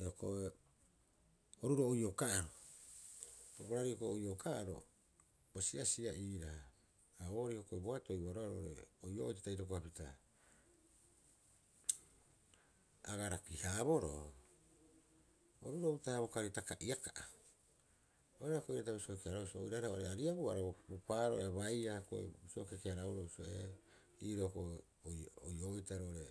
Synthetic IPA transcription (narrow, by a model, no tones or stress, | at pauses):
eoko̰e | oɾuɾoːjokaʔaɾo | oboɾaɾiokoojokaaɾo̰ | bosiasiaʔiːɾa | aoɾihokoeboato̞jβaɾoaɾoɾḛojoʔojtitaiɾok̬oapita̰ | a̰ɡaɾakihaːbo̞ɾo̰ | oɾuɾoutaaβokaɾitakaʔiakaʔa | ojɾaɾakojɾataβisokeaɾousoo̰jɾaɾaʔoɾeaɾiaβua̰ɾabopaɾoeβajɾako̰ḛbisokekeaɾauɾousoe | iɾoko | oojoitaɾooɾe